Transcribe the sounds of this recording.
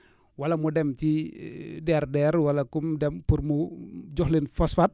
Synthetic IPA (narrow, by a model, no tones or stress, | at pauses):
walamudɛmt͡ʃi | dɛrdɛɾwalakumdɛmpurmud͡ʒɔhlinfɔsfat̚